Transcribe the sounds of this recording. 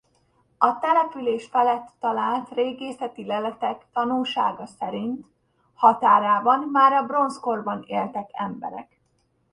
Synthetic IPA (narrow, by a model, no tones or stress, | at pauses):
ɒt̪ɛlɛpyleːʃfɛlɛt̪ːɒlaːlt̪reːɡeːsɛt̪ilɛlɛt̪ɛkt̪ɒnuːʃa̰ːɡɒsɛɾint̪ | hɒt̪aːɾaːbɒnmaːɾɒbro̞nsko̞rbɒneːlt̪ɛkɛmbɛ̰ɾɛ̰k